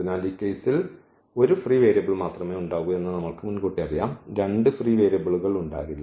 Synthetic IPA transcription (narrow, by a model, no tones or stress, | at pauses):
inaːliːkːejsil | o̞ɾufriːʋeːɾɐbɐɭmaːt̪rɐme̞ːuɳɖaːɣue̞nːɨnɐmːɐɭkɨmunkuʈːiɐrijaːmɾe̞ɳɖɨfriːʋe̞ːɾɐbɐɭuɣɐɭuɳɖa̰ːɣilː